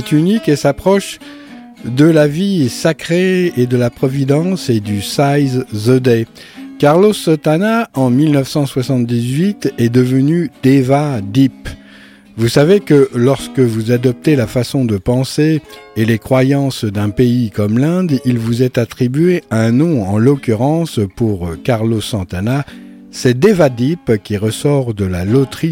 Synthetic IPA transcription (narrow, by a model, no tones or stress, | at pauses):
ɛt̪ynikesapχɔʃ | d̪əlavisakχeed̪əlapχɔvid̪ɑ̃sed̪ysajzzod̪ɛ | kaʁlosɔt̪anaɑ̃milnəfsɑ̃swasɑ̃t̪̚d̪izɥit̪ɛd̪əvənyd̪̥evad̪ip | vusavekəlɔʁskəvuzad̪ɔp̚t̪elafasɔ̃d̪əpɑ̃seːlekχwajɑ̃sd̪ɛ̃peikɔmlɛ̃d̪ilvuzɛt̪at̪χibɥeaɛ̃nɔ̃ɑ̃lɔkʲyʁɑ̃spuʁkaʁlosɑ̃t̪ana | sɛd̪evad̪ipkʲiʁəsɔʁd̪əlalot̪χi